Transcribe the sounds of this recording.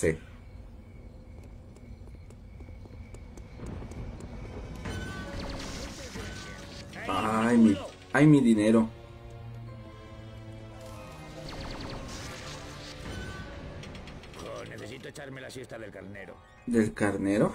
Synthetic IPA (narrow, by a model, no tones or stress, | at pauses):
e | ajmi | ajmiðineɾo | oneθesit̪oet͡ʃaɾmelasjest̪aðelkaɾneɾo̰ | d̪elkaɾneɾo